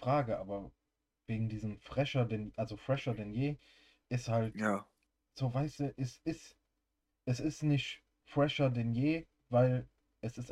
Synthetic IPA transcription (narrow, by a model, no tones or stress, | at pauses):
fʁ̥aːɡəʔa̰ːbɐ | veːɡŋ̩diːzəmfʁ̥ɛʃɐdɛnʔalzofʁ̥ɛʃɐdɛnjeː | ʔɪsthaltaː | z̥oːvaɪsd̥uːʔɛsɪst | ʔɛsɪstnɪçt | fʁ̥ɛʃɐdɛnjeː | vaɪl | ɛsɪst